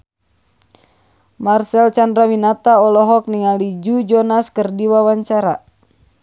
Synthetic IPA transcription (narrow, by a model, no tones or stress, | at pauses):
marsɛlt͡ʃandɾawinat̪aɔlɔɦɔk̚niŋalid͡ʒud͡ʒɔnaskərdiwawaɲt͡ʃaɾa